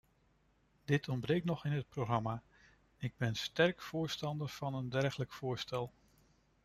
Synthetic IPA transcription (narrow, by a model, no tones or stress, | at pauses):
dɪtʰɔnbrejktnɔχɪnɦət̚proχrɑmaː | ɪɡ̚bɛnstɛrkfʊːɹstɑndəɹv̥ɑnəndɛɹχələkfʊːɹstɛlˠ